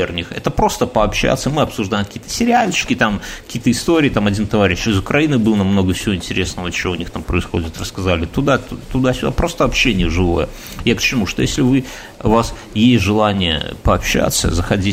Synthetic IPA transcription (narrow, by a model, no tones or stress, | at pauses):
ernʲɪxɛ̰t̪əpɾo̞st̪əpəɐpɕːa̰t̪səmɨɐpsʊʐd̪ajɪmkɐkʲiːət̪ə̥sʲɪɾʲɪalʲt͡ɕɪ̥kʲɪt̪amkɐ̥kʲiːət̪əɪst̪o̞ɾʲɪːt̪amɐdʲint̪ɐvaɾʲɪɕɪzʊkɾɐinɨbɨlˠənɐmno̞ɡəfsʲɪvoɪnʲtʲɪɾʲe̞snəvət͡ɕɪvoʊnʲixt̪ampɾəɪsxo̞dʲɪt̪rəskɐzalʲɪt̪ʊd̪at̪t̪ʊd̪asʲʊd̪a̰pɾo̞st̪əvɐpɕːenʲɪjəʐɨvo̞̰jə̰ | jakt͡ɕɪmuʂt̪o̞jesʲlʲɪvɨ | vas | jesʲtʲʐɨlˠanʲɪjə̰pəɐpɕːa̰t̪sːə̰zəxɐdʲi